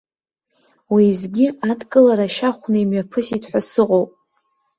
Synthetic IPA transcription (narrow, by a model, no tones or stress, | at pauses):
wizɡʲiadkʼɨlaɾaʃaχʷnɨimɥapʰɨsitʰħʷasɨqʼowpʼ